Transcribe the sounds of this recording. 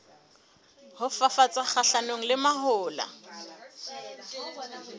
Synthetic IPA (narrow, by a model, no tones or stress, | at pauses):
hʊfafat͡sʼak͡xaɬanoŋ̩lɪmaɦʊːla̰